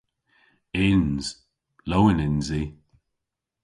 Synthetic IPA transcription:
ɪnz̥ | lowɪnɪnzi

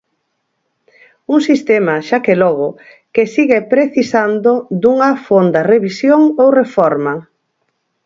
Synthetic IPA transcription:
uŋsist̪emɐʃakelɔɣ̞ʊ | kesiɣepɾeθisand̪od̪uŋɐfond̪ɐreβisjoŋowrefɔɾmɐ

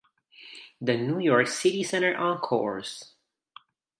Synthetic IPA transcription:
ðɨnujɔɹksɪɾisɛ̃ɾ̃ə˞ʔə̃nkʰɔ̰ɹs

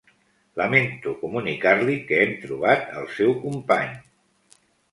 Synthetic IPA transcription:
ləment̪ukumunikaɾlikəemt̪ɾuβat̪ə̰lˠsɛwkumpa̰ɲ

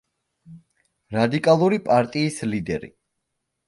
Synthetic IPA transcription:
ɾad̪ikʼalˠuɾipʼaɾt̪ʼiːslid̪ɛɾḭ

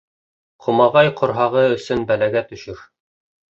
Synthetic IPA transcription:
qʰŏmɑʁɑjqʰŏɾɦɑʁɤɵ̆sɵnbælæɡæt̪ɵ̆ʃɘɾ

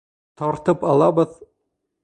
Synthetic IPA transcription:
t̪ɒɾt̪ɤpɑlˠɑbɤð

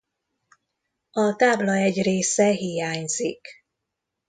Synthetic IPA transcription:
ɒt̪aːblɒɛɟreːsɛɦijaːɲz̥ḭk

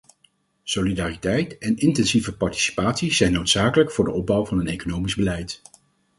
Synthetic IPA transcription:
solidaːritɛjtɛnɪntɛnzivəpɑɹti̥si̥paːtsiz̥ɛjnːowtsaːkələkfʊːɹdəɔb̚bʌwvɑnənejkonowmizbəlɛjt

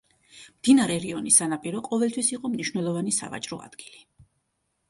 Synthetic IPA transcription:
md̪̥inaɾɛɾiɔnisanapʼiɾɔqʼɔvɛlt̪ʰwisiqʼɔmniʃwnɛlˠɔvanisa̰va̰t͡ʃʼɾɔ̰a̰d̪̥ɡili

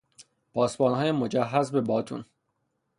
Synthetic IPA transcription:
bʰɒːsbɒːnɦɒːjemo̞d͡ʒæɦːæzbe̞bɒːt̪ʰṵn

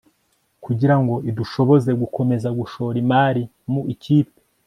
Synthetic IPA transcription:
kuɟiɾaŋɡo̞iduʃo̞βo̞ze̞ɡukʰo̞me̞zaɡuʃo̞ɾimaːɾi | muiciːpe

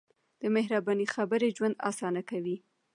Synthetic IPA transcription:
d̪̥əmeɦɾabɑnixabəɾed͡ʒwand̪ɑ̰sɑnakawi

